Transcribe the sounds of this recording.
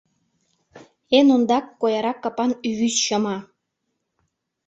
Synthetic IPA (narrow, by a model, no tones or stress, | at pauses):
enond̪ɑkːojɑɾɑkːɑpɑnyβysʃɤmɑ